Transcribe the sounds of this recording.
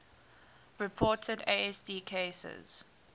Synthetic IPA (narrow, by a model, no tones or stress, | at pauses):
ɹɪpʰɔːˑtʰədeɪɛsdiːkʰesə̰z̥